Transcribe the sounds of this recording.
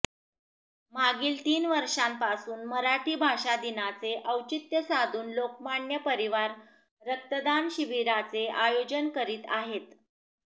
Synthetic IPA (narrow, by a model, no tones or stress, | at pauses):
m̤aɡiːlt̪iːnʋəɾʂampasuːnməɾaʈʰiːbʱaʂad̪inat͡seʔəwt͡ɕit̪jəsad̪ʱuːnlok̚maɳjəpəɾiʋaɾ | ɾək̚t̪əd̪anɕiʋiɾat͡seajod͡ʑənkəɾiːt̪aɦet̪